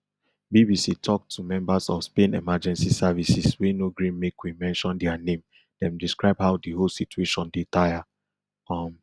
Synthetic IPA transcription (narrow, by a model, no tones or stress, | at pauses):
bibisitʰɔk̚tʰːumɛ̃mbasɔfspẽnɛmad͡ʒɛ̃nsisavisiswenoɡɹĩnmekwimɛ̃nʃɔ̃ndɛanẽm | d̥ɛ̃mdiskɹaɪbhaʊdiɦolsitueʃɔ̃ndetaja | ɔm